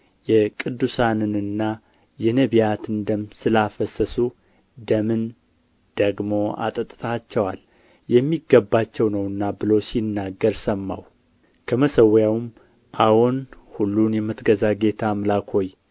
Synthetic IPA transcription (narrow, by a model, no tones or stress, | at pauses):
jɛkʼɨd̪ːusanɨnɨnːa | jɛnəβijat̪ʰɨnd̪əmsɨlafəsəsu | d̪əmɨn | d̪̥əɡmo̞a̰t̪ʼət̪ʼt̪ʰat͡ʃːɛwa̰l | jɛmːiɡːəbːat͡ʃːɛwnəwɨnːabɨlo̞sinːaɡːəɾsəmːa̰w | kʰəməsəwjawɨm | ʔawonhulːunjɛmət̪ʰɡəzaɡe̞t̪ʰamlakʰo̞j